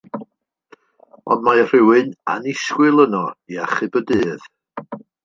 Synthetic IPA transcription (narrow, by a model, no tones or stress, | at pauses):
ɔ̰ndmar̥ɪwɨna̰nɪskwɪlˠənɔiaχɨbədɨːð̥